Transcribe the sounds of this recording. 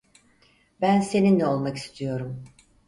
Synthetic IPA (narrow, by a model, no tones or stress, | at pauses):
bænse̞ninlɛolˠmaki̥st̪ʰijo̞ɾum